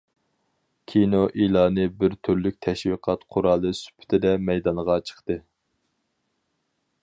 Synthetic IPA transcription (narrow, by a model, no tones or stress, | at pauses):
kʲʰinoʔilˠɑːnɨbɪɾt̪ʰyɾlyk̚ʲt̪ʰɛʃwiqʰɑt̪qʰʊɾɑːlˠɨsy̥pʰɪ̥t̪ʰɪd̪ɛmɛjd̪ɑnʁɑt͡ʃʰə̥χt̪ɨ